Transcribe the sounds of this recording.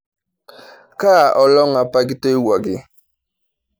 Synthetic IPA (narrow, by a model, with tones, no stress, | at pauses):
kaː˦˨ʔɔ˨lɔ˦ŋ˦a˨pa˦ɡɪ˦to˦i˦wa˨ɡɪ˦